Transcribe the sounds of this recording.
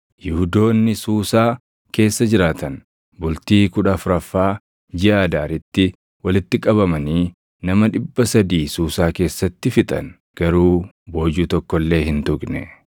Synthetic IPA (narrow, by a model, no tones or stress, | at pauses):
jɪhʊd̪o̞ːnːɪsuːsaː | ke̞ːsːɐd͡ʒɪɾaːt̪ɐn | bʊlt̪iːkʊᶑɐfʊɾɐfːaː | d͡ʒɪʔaːd̪aːɾɪt̪ːɪ | wɐlɪt̪ːɪkʼɐβɐmɐniː | nɐmɐᶑɪbːɐsɐd̪iːsuːsaːke̞ːsːɐt̪ːɪfɪt̪ʼɐ̰n | ɡ̥ɐɾuː | bo̞ːd͡ʒuːt̪ɔkːɔlːe̞ːɦɪnt̪ʊkʼnɛ